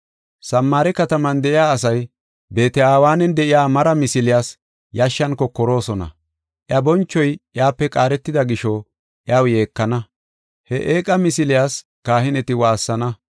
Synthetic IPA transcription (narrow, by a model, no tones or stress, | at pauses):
sɐmːaːɾɛkɐt̪ɐmɐnd̪ɛʔɪjaːsɐj | be̞ːt̪ɛaːwaːnɛnd̪ɛʔɪjaːmɐɾɐmɪsɪlɪjaːs | jaʃːɐnkːɔkɔɾo̞ːsɔnɐ̰ | ʔjɐbɔnt͡ʃːɔjʔjaːpːɛkʼaːɾɛt̪ːɪd̪ɐɡɪʃɔ | ʔjaːwje̞ːkːɐnɐ | hɛʔeːkʼɐmɪsɪlɪjaːs | kaːhɪnɛt̪ɪwaːsːɐnɐ